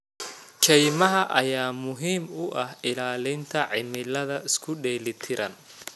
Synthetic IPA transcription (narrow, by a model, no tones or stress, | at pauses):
t͡ʃʰɛjmɐɦɐʔɐjaːmʊɦiːmʊʔɐhɪlaːlɪnt̪ʰɐʕɪmɪlɐðɐʔɪskʰʊɗɛːlɪt̪ʰɪɾʔɐn